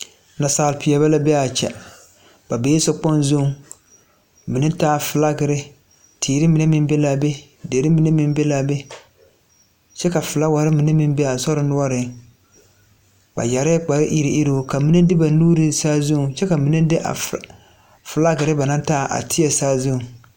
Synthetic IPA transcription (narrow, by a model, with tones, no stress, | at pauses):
na˨saː˨lpi˨ɛ˨βa˦la˦bɛ˦a˨t͡ʃɛ̰˨ | b̥a˨be˨˦sɔ˦k͡pɔ˦nzʊ˦˨ | mi˨nɪ˦taː˦˨fɨ˨la˦ɡɪ˨ɾɪ˦ | tʰiː˨ɾɪ˦mi˨nɛ˦mɪ˦m˦bɛ˦la˦be˦ | deː˨ɾɪ˦mi˨˦nɛ˦mɪ˦m˦be˦laː˦be˦ | t͡ʃɛ˦ka˨fɨ˨la˦wa˨ɾɪ˦mi˨nɪ˦mɪ˦m˦bɛ˦a˨sɔ˦ɾɪ˦nʊ˦ɔ˦ɾɪ˨ | ba̰˨ja˨ɾɪ˦k͡pa˨ɾɪ˦ʔi˦ɾɪ˦ʔi˦ɾo˦ka˨mi˦nɨ˦dɪ˦ba˨˦nuː˦ɾɪ˨saː˦zʊ˦˨t͡ʃɛ˦ka˨mi˨nɪ˦dɪ˦ʔa̰˨ | fɨ˨la˦ɡɪ˨ɾɪ˦ba˨na˦ntaː˦˨ʔa̰˨tɪ˦jɛ˨saː˦zʊ˦˨